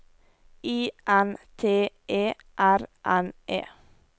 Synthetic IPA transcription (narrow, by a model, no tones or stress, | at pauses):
iːʔænt̪ʰeːʔeː | ʔæɾʔænʔḛː